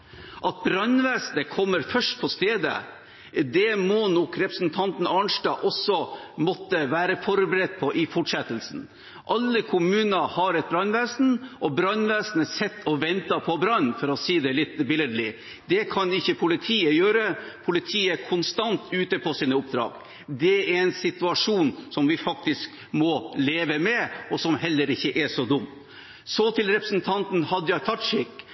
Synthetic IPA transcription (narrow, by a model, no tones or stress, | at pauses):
ʔɑt̪̚bɾɑnːʋæːsnəkʰɔmːəɾfœʂʈ̚pʰɔst̪eːd̪ə̰ | d̪ɛmɔnɔkɾɛpɾəsnt̪ʰɑnt̪n̩ɑɳʂʈɑːʔɔsːɔmɔt̪ːəʋæːɾəfɔɾbəɾɛd̪̚pʰɔʔɪfɔʈʂɛt̪ːəlsn̩ | ʔɑlːəkʰʊmʉːnəhɑɾɛt̪̚bɾɑnʋæːsn̩ʔɔbɾɑnʋæːsnəsɛt̪ʰːɔʋɛnt̪ɑpʰɔbɾɑnfɔɾɔsiːd̪ɛlɪt̪ːbɪləd̪lɪ | d̪ɛkʰɑnɪçːəpʰʊlɪt̪ʰiːəjøːɾəpʰʊlɪt̪ʰiːəækʰʊnst̪ɑnt̪ʉːt̪əpʰɔsiːnəʊpd̪ɾɑ̰ːɡ̥ | d̪ɛæɾɛnsɪt̪ʉɑʂuːnsɔmʋɪfɑk̚t̪ɪsk | mɔleːʋəmɛɔsɔmhɛlːəɾɪçːəʔɛʂɔd̪ʊmː | sɔt̪ʰɪlɾɛpɾəsnt̪ʰɑnt̪n̩hɑd̪ːəjɑt̪ʰɑʈʂɪk